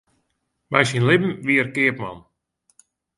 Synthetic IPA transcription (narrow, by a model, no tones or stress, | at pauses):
mɛjsinlɪbm̩ʋiərkɪəpma̰n